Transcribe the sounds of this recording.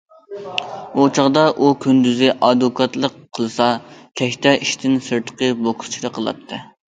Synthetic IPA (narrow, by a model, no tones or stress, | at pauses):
ot͡ʃʰɑʁd̪ɑʔukʲʰynd̪yzɪʔɑd̪ukʰɑt̪lˠəqʰːəlˠɨsɑk̪ʲʰɛkʲt̪ʰɛʔiʃt̪ʰɪnsɨɾt̪ʰə̥qəbokʰʊ̥st͡ʃʰiɾɨqʰəlˠɑ̰t̪ʰːɨ